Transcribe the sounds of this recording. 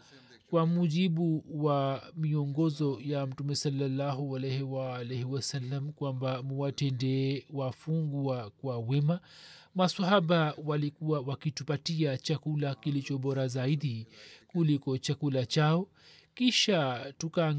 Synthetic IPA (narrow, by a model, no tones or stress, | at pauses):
kwamuʄiɓuwamiɔŋɡɔzɔjam̩tumɛsalːalːaɦualɛhɛwaːlɛhɛwasalːamkwambamuwatɛndɛwafuŋɡuakwawɛmamasahaɓawalikuawakitupatiat͡ʃakulakilit͡ʃɔɓɔɾazaiɗikulikɔt͡ʃakulat͡ʃaɔ | kiʃatukaːŋ